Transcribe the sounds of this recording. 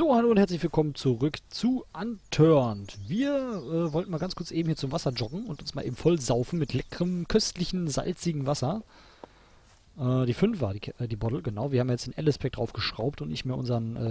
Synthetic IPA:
z̥oːhaloːʊnthɛɐt͡sslɪçv̥ɪlkʰɔmənt͡suʁʏkt͡suʔantʰœɐntviːɐʔɛːvɔltn̩maːlɡant͡skʊɐt͡sʔeːbm̩hiːɐt͡sʊmvasɐd͡ʒɔɡŋ̩ʊntʊnsmaːlʔeːbm̩fɔlzaʊfn̩mɪtʰlɛkəʁəmkʰœstlɪçn̩za̰lt͡sɪɡŋ̩vasɐ | ʔɛːd̥iːfʏnfv̥aːiʔɛdiːbɔdl̩ɡənaʊviɐhaːmjajɛt͡sd̥eːnʔɛləspʰɛk̚d̥ʁaʊfɡ̥əʃʁ̥aʊp̚tʊntnɪçtmeːɐʔʊnzɐənʔɛː

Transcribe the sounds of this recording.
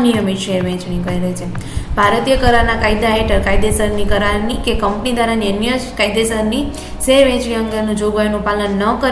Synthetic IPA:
nijəmiʃeʋɛ̃t͡ʃɳikəiɾəɦt͡ʃʰebʱaɾt̪ijəkəɾaɾnakajd̪aɦeʈəɾkajd̪esəɾnikəɾaɾnikekəmpnid̪ʱaɾaniənjəkaid̪esəɾni | seʋɛ̃t͡ʃɳĩə̃ŋɡenũd͡ʒoɡajnũpalənːəkə

